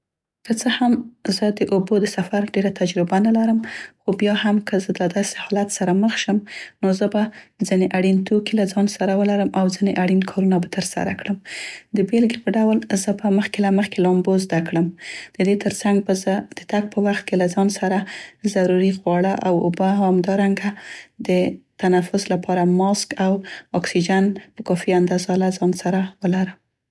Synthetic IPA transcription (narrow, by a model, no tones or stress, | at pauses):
kət͡səhamzəd̪əʔobod̪əsafaɾɖeɾat̪ad͡ʒɾɪbanalaɾəmxobjɑhamkəzəd̪ɑd̪ɑse̥hɑlat̪saɾaməxʃəmnozəbad͡zineʔaɽint̪ʰokilazɑnsaɾawəlaɾəmʔawzineʔaɽinkʰɑɾunabat̪əɾsa̰ɾa̰kɽəmd̪əbelɡepəɖawlzəbəməxkelaməxkelɑmbozd̪akɽəmd̪̥əd̪et̪əɾsaŋɡ̚bzəd̪̥ət̪aɡ̚pəwaxt̪̚kelazɑnsaɾazaɾuɾiɣwɑɽəʔawʊbahamd̪ɑɾaŋɡad̪ət̪anafʊslapʰɑɾamɑskawɑksid͡ʒanpəkɑfiand̪azalazɑnsaɾawəlaɾəm